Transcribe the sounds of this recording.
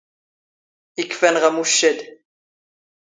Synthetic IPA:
ikːfænʁæmuʃːəd̪

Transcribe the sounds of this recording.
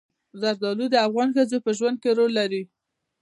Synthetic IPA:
zaɾd̪ɑlud̪əafɣɑnxəzopəʒwand̪̚keɾolːaɾi

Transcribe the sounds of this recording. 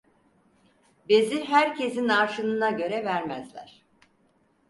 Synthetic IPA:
beziɦæɾcʰe̞zinaɾʃɯnɯnaɟø̞ɾɛvæɾmæ̰zlʲæ̰ɾ̥

